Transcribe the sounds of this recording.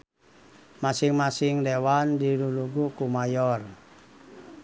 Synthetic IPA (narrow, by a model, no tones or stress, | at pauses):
masɪŋmasɪŋdewandiluluɡukumajɔr